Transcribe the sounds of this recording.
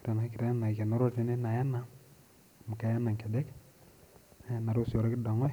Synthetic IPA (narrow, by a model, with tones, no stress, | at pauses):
kɾa˨na˨˦ki˨ɾa˦a˦na˨i˨ke˨no˦ɾo˦d͡ʒi˦ne˦na˨ja˦na˦˨ | mu˨ka˦ja˦na˨ŋkɛ˨dɛ˦k | a˨na˨ɾo˦so˨ɾa˦ki˦dɔ˨ŋɔ˦j